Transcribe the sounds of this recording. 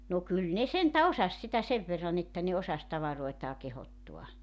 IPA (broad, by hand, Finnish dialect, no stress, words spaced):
no kyl ne sentæ osɑs sitæ seʋ ʋerːɑn etːæ ne osɑs tɑʋɑroetɑː kehotːuɑ